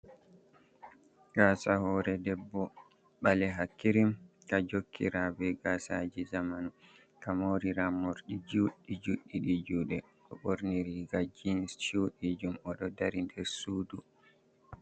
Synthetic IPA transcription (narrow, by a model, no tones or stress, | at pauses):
ɡ̥asahɔɾɛdɛbːɔ | ɓalɛɦakːiɾim | kad͡ʒokʰːḭɾabɛɡasad͡ʒizamanu | kamoɾiɾamoɾɗid͡ʒuɗːid͡ʒuɗːiɗid͡ʒuːɗɛ | ʔɔɓoɾniɾiɡad͡ʒinst͡ʃuɗid͡ʒumɔɗɔdaɾindɛɾsuːdu